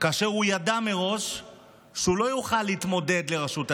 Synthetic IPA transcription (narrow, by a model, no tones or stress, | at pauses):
kaːʃe̞ʁujadameʁo̞ʃ | ʃeulo̞juχalːiiːt̪mo̞d̪e̞d̪le̞ʁaʃut̪a